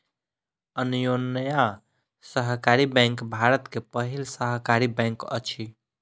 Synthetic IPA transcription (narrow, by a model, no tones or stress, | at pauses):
ənjonja | səɦkaɾibɛ̃ŋkbʱaɾət̪kepəɦilsəɦkaɾibɛ̃ŋkə̰t͡ʃʰi